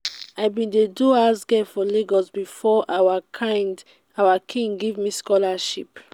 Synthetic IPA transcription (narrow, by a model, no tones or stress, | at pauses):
aɪbĩndeduasɡɛfɔleɡɔsbifɔʔawaaɪnd | awakʰĩŋɡivmiskɔlaʃḭp